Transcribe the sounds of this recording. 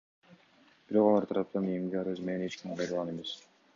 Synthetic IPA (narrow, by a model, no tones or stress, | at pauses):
b̥iɾo̞qɑlˠɑɾt̪ʰɑɾɑp̚t̪ɑnimɡ̪eɑɾøzmenenet͡ʃkimqʰɑjɾɑlˠʁɑne̞me̞s